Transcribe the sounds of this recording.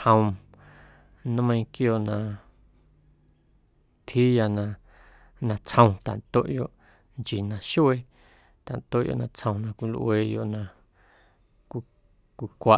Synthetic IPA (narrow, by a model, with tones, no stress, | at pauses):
hə̃˧w̃ | nã˦mə̃˧ĩ˧kjoː˧˨ʔnã˧ | t̪ʰhi˦ja˧nã˧ | nã˧t͡shə̃˧w̃t̪a̰˨nt̪o˦ʔjo˧ʔ | nt͡ʃi˨nã˧ʃu˦e˦ | t̪a̰˨nt̪o˦ʔjo̰˧˨ʔnã˧t͡shə̃˧w̃nã˧kʷi˧lʔweː˧˨jo̰˧ʔnã˧ | kʷi˧ | kʷi˧kʷa˧